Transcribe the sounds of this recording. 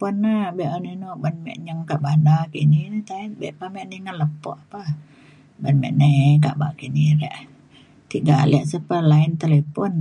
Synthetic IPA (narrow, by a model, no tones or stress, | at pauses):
pɔnːabɛʔaninobanmɛ̰ʔɲəŋkaʔbadakininit̪ait̪bɛʔpamɛʔninaləpɔ̰ʔapa | banmɛ̰ʔnekaʔbakiniɾɛʔ | t̪iʔɡalɛʔsəpalaint̪alepɔn